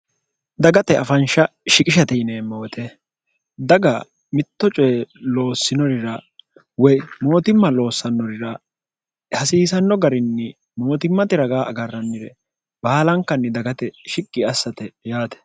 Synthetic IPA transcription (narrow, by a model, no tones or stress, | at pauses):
d̪ɐɡɐt̪ɛɐfɐnʃɐʃɪkʼɪʃɐt̪ɛneːmːɐwɔt̪ʰɛ | d̪ɐɡɐ | mɪt̪ːɔt͡ʃʼɔjɛlo̞ːsːɪnɔɾɪɾɐ | wɔjmo̞ːt̪ɪmːɐlo̞ːsːɐnːɔɾɪɾɐ | hɐsiːsɐnːɔɡɐɾɪnːɪ | mo̞ːt̪ɪmːɐt̪ɪɾɐɡaːɐɡɐrːɐnːɪɾɛ | baːlɐŋkːɐnːɪd̪ɐɡɐt̪ɛʃɪkʼːɪɐsːɐt̪ɛjaːt̪ɛ̥